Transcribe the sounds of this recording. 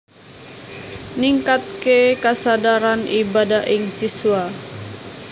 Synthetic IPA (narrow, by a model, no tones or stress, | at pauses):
niŋkat̪̚kekasadaɾanibadaʔɪŋsisua